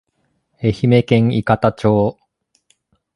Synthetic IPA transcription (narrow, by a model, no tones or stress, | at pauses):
e̞çime̞kẽ̞ŋ̃ikat̪at͡ɕo̞ː